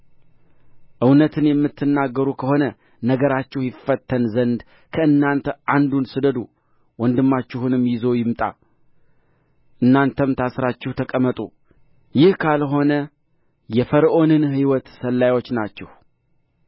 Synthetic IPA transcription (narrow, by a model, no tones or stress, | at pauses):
ʔɨwnət̪ʰɨnjɛmːɨt̪ʰːɨnːaɡːəɾukʰəho̞nə | nəɡəɾat͡ʃːɪhjɪfːət̪ʰːənzənd̪ | kʰəɨnːant̪ʰəʔand̪unsɨd̪əd̪u | wɔnd̪ɨmːat͡ʃːɪhunɨmːjɪzo̞jɪmt̪ʼa̰ | ʔɨnːant̪ʰəmt̪ʰasɾat͡ʃːɪht̪ʰəkʼəmːət̪ʼu | jɪhkʰalɦo̞nə | jɛfəɾʔonɨnhɨwɔt̪səlːajwo̞t͡ʃːnat͡ʃːɛh